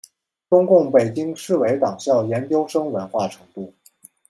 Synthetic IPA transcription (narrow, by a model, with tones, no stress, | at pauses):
ʈ͡ʂʊ˥ŋkʊ˥˩ŋpe˨˩ɪt͡ɕi˥ŋʂɻ̩˥˩we˧˥ɪt̪ɑ˨˩ŋɕjɑ˥˩ʊjɛ˧˥nt͡ɕjo˥ʊʂɤ˥ŋwə˧˥nxwa˥˩ʈ͡ʂʰɤ̥˧˥ŋt̪u˥˩